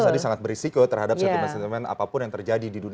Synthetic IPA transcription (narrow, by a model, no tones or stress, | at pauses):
t̪adisaŋat̪̚bərisikot̪ərhadap̚sat̪umansɛnt̪imɛna̰papʊnjaŋt̪ərd͡ʒadididun